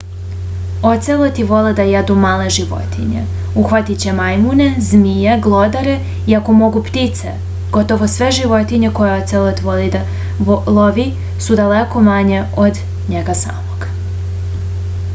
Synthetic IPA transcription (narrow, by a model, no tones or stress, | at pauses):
ot̪selˠot̪iʋo̞led̪ajed̪umaːle̞ʒiʋo̞̰t̪ḭɲḛ | uxʋat̪it͡ɕemajmune̞zmijeɡlˠod̪aɾe̞ | iako̞mo̞ɡupt̪it̪sḛ | ɡ̥o̞t̪o̞ʋo̞sʋe̞ʒiʋo̞t̪iɲe̞ko̞jeot̪selˠot̪iʋoli | lˠoʋi | sud̪aleko̞maɲe̞od̪ | ɲeɡasa̰ːmo̞ɡ̥